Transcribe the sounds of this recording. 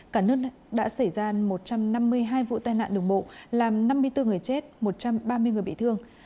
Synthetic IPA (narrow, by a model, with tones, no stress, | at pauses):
kaː˧˩nɨ˦˥ək | ɗa̰ː˧˥sa˧˩jzaː˧mo˨˩t̚t͡ɕa˧mna˧mːɨ˧əjɦaː˧jvṵ˧˨t̪aː˧jna̰ː˧˨nɗɨ˨˩əŋ͡mɓo̰˧˨laː˨˩mna˧mːɨ˧əjt̪ɨ˧ŋɨ˨˩əjt͡ɕe˦˥t̚mo˨˩t̚t͡ɕa˧mɓaː˧mɨ˧əjŋɨ˨˩əjɓḭ˧˨t̪ʰɨ˧əŋ